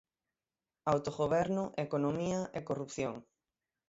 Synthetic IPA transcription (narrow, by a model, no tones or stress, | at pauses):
awt̪oɣoβɛɾnʊʔekonomiɐʔekorupθjoŋ